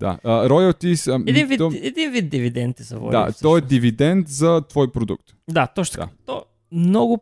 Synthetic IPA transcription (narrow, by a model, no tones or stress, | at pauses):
d̪̥a̰əɾɔjɐt̪isɛd̪ĩnvit̪ɔɛd̪invit̪̚d̪ivid̪ɛnt̪ɛzɐ̰vɔ̰jd̪a̰t̪ɔɛd̪ivid̪ɛnt̪zɐt̪vɔjpɾod̪ṵk̚t̪ | d̪at̪ɔt͡ʃʃnot̪aat̪ɔ | mnɔɡʊ